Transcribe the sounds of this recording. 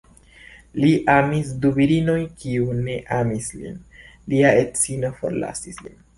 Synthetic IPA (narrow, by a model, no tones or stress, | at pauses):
liʔamisdubiɾino̞jkiune̞ʔamislḭn | liaett͡sino̞fo̞̰ɾla̰sislḭn